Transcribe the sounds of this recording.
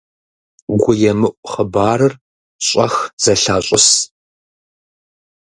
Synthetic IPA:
ɡʷʊjɛmɨʔʷʼχəbaːɾɨr | ɕʼɐxz̥ɐɬaːɕʼʊs

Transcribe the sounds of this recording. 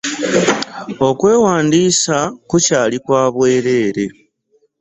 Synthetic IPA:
o̞kwe̞ːwaːndiːsakucaːlikwaːβwe̞ːɾe̞ːɾe̞

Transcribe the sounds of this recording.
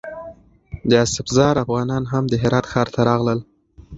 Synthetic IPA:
d̪əasɪfzɑɾafɣɑnɑnɦamd̪əɦɪɾɑt̪xɑɾt̪ʰaɾɑɣləl

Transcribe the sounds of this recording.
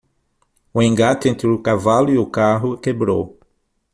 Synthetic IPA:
uẽŋɡat̪ẽnt̪ɾɪʊkavalʊiʊkaɦʊkebɾo̰w

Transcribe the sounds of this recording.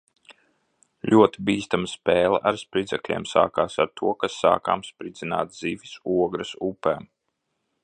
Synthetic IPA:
lʲʔuɔt̪ibiːst̪amaspɛːlˠɐ̰ʔaɾspɾid̪zɛklʲḛɛmsa̰ːkaːsaɾt̪ʰuɔkasːa̰ːka̰ːmspɾid̪zʲina̰ːt̪ziːʋʲisuɔɡɾɐsupɛːm

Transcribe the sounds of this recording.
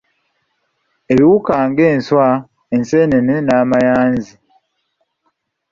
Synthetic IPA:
eβiwukaːŋɡe̞ːnswa | ense̞ːnenenaːmajaːnzi

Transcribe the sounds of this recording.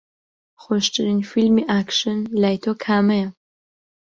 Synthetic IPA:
χʷɔʃʈ͡ʂʼɨninfilmiːʔaːkʂɨnlajtʰokʰaːmɐjɐ

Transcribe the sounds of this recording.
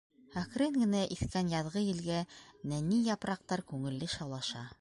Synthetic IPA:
hækɾɘŋɡɘ̆næʔiθkænjɑðʁɤjɘ̆lɡænænijɑpɾɑq̚t̪ɑɾkʉŋɘ̆lːɘʃɑwlˠɑʃɑ

